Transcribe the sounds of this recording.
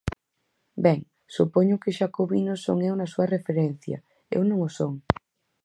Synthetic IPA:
bɛŋ | supoɲʊkɪʃakoβinoso̰ŋewnasuɐrefeɾɛn̟θjɐ̰ | ḛwnõŋosoŋ

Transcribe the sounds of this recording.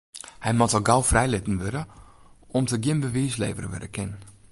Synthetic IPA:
hɛjmɔtɔɡawfrɛjlɪtn̩ʋøɾə | ɔmtəɡjɪnbəʋiːslḛːvərʋø̰dəkʰɪnn

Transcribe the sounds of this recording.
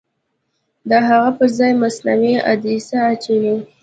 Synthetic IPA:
d̪əɦaɣapəɾzɑjmasnamea̰d̪isaːt͡ʃawiw

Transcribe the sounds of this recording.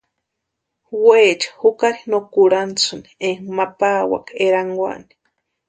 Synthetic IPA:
weːt͡ʃḁhukaɾinokuɾant͡suni̥eŋmapawa̰keɾaŋɡwʷa̰ni̥

